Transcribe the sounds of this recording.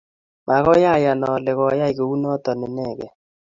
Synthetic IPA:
mʔa˨ɣɔ˦ja˦˨ja˨nɔ˨lɪ˨ɣɔ˨˦ja˦i˨ɡo˨u˦nɔ˦t̪ɔ˨nɪ˨nɛ˦˨ɡɛ̰˨

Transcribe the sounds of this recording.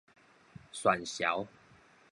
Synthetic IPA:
swa˨˩nɕja̰˨˦ʊw

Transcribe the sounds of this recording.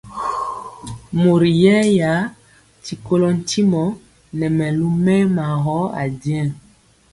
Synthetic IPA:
mo˨ɾi˨jɛ˦ja˨˦ | ti˨ko˦lɔ˦n̩˦tʰi˦mɔ˨˦ | nɛ˨mɛ˨lu˦mɛ˦ma˨ɣɔ˨˦a̰˨djɛ̃˦˨

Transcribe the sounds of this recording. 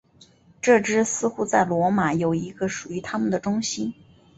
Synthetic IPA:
ʈ͡ʂɤ˥˩ʈ͡ʂɻ̩˥sɹ̩˥xu˥t͡sa˥˩ɪlwɔ˧˥ma˨˩˦jo˨˩ʊi˧˥ɡə˧ʂu˨˩y˧˥t̪ʰa˥mə˨nd̪ə˩ʈ͡ʂʊ˥ŋɕi˥n

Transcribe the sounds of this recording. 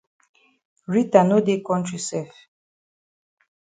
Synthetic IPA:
ɾi˦t̪a˨no˦d̪e˦kɔ̃˦ntʰi˨sɛf

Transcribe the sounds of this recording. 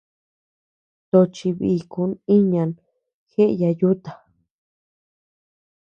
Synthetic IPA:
t̪o˧t͡ʃi˧βi˧˨ku˧˦ni˦ɲã˧n | xe˦ʔja˧ju˦t̪a˨

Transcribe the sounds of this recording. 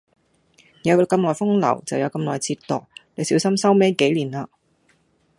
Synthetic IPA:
jɐ˨˧wkɐ˧mlɔː˨jfʊ˥ŋlɐ̰˨˩wt͡sɐ˨wjɐ˨˧wkɐ˧mlɔː˨˩jt͡sʰiː˧tt̪ɔː˨k̚ne˨˧jsiː˨˥wsɐ˥msɐ˥wme˥jke˨˥jliː˨˩naː˧

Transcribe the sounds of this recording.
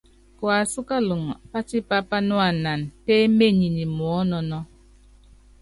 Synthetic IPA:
kwa˨su˦ka˦lu˨ŋ˨pa˦ti˦pa˦pa˦nɔ˦a˨na˨nte˦me˦˨ɲi˨ni˨m˨ɔ˨˦nɔ˨nɔ˦

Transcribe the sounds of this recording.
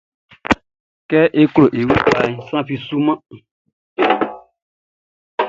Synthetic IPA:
kɛ˦ʔe˦klo˨ʔe˨wu˦ta˨ɲ̃˨sã˦fi˨su˦mã˦

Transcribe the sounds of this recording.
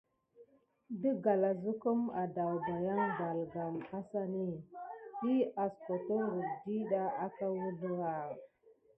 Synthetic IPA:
də˦ɡa˨la˨zu˦ku˦ma˨da˨wba˨ja˦ŋba˨lɡa˨ma˦sa˦ni˦ti˦a˨sko˨tə˦ɾu˨di˦ɗa˦a˦ta˦wu˦bə˦ɣa˨

